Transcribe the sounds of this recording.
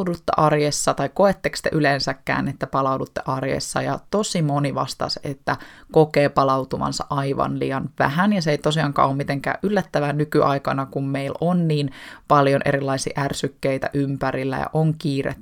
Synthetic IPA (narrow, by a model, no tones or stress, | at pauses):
dut̪ːḛʔɑrjesːɑt̪ɑikːoet̪ːekst̪eʔylensækːæ̰ːnet̪ːæpɑlɑwdut̪ːeʔɑrjḛsːɑ̰jɑt̪osimoniʋɑ̰st̪ɑ̰set̪ːækokeːpɑlɑwt̪umɑ̰nsɑ̰ʔɑiʋɑ̰nlḭːjɑnʋæ̰hænjɑseejt̪osiɑŋkɑ̰ːʔommit̪eŋkæ̰ːʔʔylːæt̪ːæʋænykyʔɑjkɑnɑkummeilonniːnpɑljonʔḛɾilːɑisḭːʔærsykːejt̪æ̰ʔympæɾilːæ̰jɑ̰ʔoŋkiːrḛt̪ː